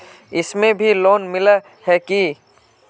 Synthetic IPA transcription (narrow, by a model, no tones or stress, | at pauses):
ɪsmẽbʱiloːnmɪla | hɛki